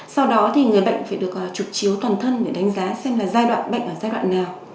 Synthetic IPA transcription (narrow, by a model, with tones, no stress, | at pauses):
sa˧wɗɔ˨˦t̪ʰi˨˩ŋɨ˨˩əjɓə̰˧˨jŋ̟faː˧˩jɗɨ˨˩ək̚ːt͡ɕʊ˨˩k̚t͡ɕi˨˦əwt̪waː˨˩nt̪ʰə˧nɗe˧˩ɗa˨˦ŋ̟zaː˨˦sɛ˧mlaː˨˩zaː˧jɗwa̰ː˧˨nɓə̰˧˨ŋ̟ʔəː˧˩zaː˧jɗwa̰ː˧˨nːaː˨˩w